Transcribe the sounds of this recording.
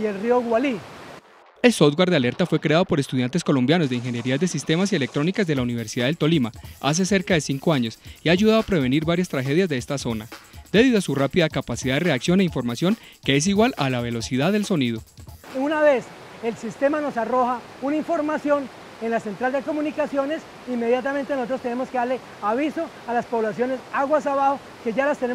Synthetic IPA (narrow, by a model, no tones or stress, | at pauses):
elrioɣwali | e̞lsoðɡwaɾðd̪eale̞ɾt̪afwe̞kɾe̞að̞o̞po̞ɾest̪uðjant̪e̞sko̞lo̞mbjano̞zd̪eiŋxe̞nje̞ɾiazd̪esist̪e̞masie̞le̞k̚t̪ɾo̞nikazd̪e̞launiβ̞e̞ɾsiðaðet̪o̞limaa̰s̬e̞se̞ɾkaðe̞siŋko̞aɲo̞siaːʝuðaðo̞apɾe̞βe̞niɾbaɾjast̪ɾaxe̞ðjazd̪eest̪aso̞nad̪e̞ðiðosurapiðakapasiðaðere̞aksjo̞ne̞iɱfo̞ɾmasjo̞ŋke̞es̬iɣwalalaβe̞lo̞siðaðe̞lso̞nið̞o̞unaβe̞s | elsist̪emano̞saro̞xa | unaiɱfo̞ɾmasjo̞n | enlase̞nt̪ɾald̪e̞ko̞munikasjo̞ne̞s | imːe̞ðjat̪ame̞nt̪e̞noso̞t̪ɾost̪e̞ne̞mo̞skeðaɾle̞ | aβiso̞ | alaspo̞βlasjo̞ne̞saɣwasaβaho̞ | ke̞ʝalast̪e̞ne